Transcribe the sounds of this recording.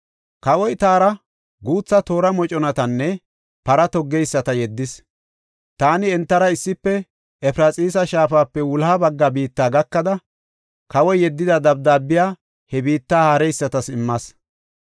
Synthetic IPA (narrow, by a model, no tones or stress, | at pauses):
kɐwɔjt̪aːɾɐ | ɡuːt͡sːɐt̪o̞ːɾɐmɔt͡ʃʼɔnɐt̪ɐnːɛ | pɐɾɐt̪ɔɡːɛjsːɐt̪ɐjɛd̪ːɪs | t̪aːnɪɛnt̪ːɐɾɐɪsːɪpːɛ | ɛpɾɐt͡sʼiːsɐʃaːfaːpːɛwʊlhabɐɡːabiːt̪ːaːɡɐkːɐd̪ɐ | kɐwɔjːɛd̪ːɪd̪ɐd̪ɐb̚d̪aːbːɪjaː | hɛbiːt̪ːaːhɐɾɛjsːɐt̪ɐsɪmːɐs